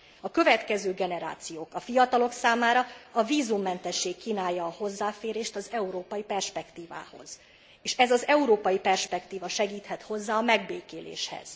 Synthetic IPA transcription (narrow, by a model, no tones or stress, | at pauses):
ɒkøvɛt̪kɛzøːɡɛnɛɾa̰ːt̪sijoːkɒfijɒt̪ɒlo̞ksaːmaːɾɒɒviːzumːɛnt̪ɛʃːeːkːiːnaːjːɒːho̞zːaːfeːɾeːʃt̪ɒzɛuɾoːpɒjipɛrʃpɛkt̪iːva̰ːho̞̰z̥ | eːʃɛzɒzɛuɾoːpɒjipɛrʃpɛkt̪iːvɒʃɛɡiːt̪hɛt̪ho̞zːaːɒmɛɡbeːkeːlḛːʃhɛ̰z̥